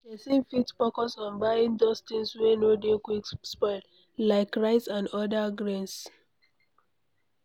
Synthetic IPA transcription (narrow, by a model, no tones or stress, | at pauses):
desẽmfitfɔkɔsɔ̃nbaɪĩŋdost̪ĩŋswenodekwikspɔɪl | laɪkɹaɪtsãnɔdaɡɹẽns